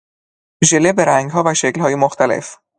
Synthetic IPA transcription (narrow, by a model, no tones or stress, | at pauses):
ʒelebe̞ɾæŋɡɦɒːvæʃeclhɒːjemoxt̪ʰælḛf